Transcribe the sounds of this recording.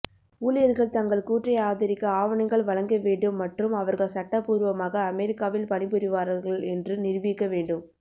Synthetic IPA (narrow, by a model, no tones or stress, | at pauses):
uːlɪjɐɾɣɐɭt̪ɐŋɡɐɭkuːʈrɐjaːðɐɾɪkːɐaːʋɐnɐŋɡɐɭʋɐɻɐŋɡɐʋeːɳɖɯmːɐʈrɯmɐʋɐɾɣɐɭsɐʈːɐpuːɾʋɐmaːɣɐːmɛɾɪkːaːʋɪlpɐnɪpɪɾɯʋaːɾɐɾɣɐɭɛndrɯnɪɾʋiːkːɐʋeːɳɖɯm